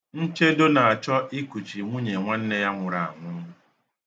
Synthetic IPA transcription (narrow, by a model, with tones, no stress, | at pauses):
n̩˦t͡ʃe˦do˦na˨a˨t͡ʃɔ˦ʔi˦ku˨t͡ʃi˨ŋʷu˦ɲe˨ŋʷa˦n̩˦ne˦ja˦ŋʷʊ˨ɾa˨a̰˨ŋʷʊ˦